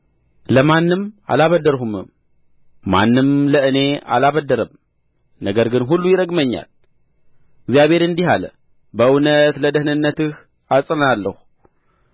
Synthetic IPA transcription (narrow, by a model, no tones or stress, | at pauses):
ləmanːɨma̰laβəd̪əɾɦumɨ̰m | ma̰nːɨmləʔɨne̞a̰laβəd̪ːəɾəm | nəɡəɾɡɨnɦulːujɪɾəɡməɲːa̰l | ɨɡzijaβhe̞ɾɨnd̪ihalə̰ | bəʔɨwnət̪ləd̪əhnɨnːət̪ɨh | asʼənnalːəhu